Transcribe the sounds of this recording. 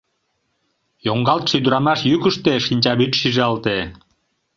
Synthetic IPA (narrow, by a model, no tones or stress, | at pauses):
joŋɡɑlt̪ʃijd̪uɾɑmɑʃjykuʃt̪eʃinʲt͡ɕɑbyt̪ʃiʒeɑlt̪e